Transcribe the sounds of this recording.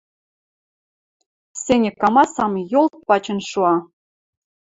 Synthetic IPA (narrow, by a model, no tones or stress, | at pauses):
senʲɘ̆kːɑmɑsɑmjolˠt̪̚pɑt͡ɕɤ̆nʃuɑ